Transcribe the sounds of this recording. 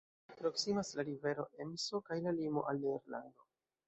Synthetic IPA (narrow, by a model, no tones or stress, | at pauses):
pɾo̞ksimaslaɾive̞ɾo̞̰ʔe̞mso̞kajlalimo̞̰ʔalneɾlando̞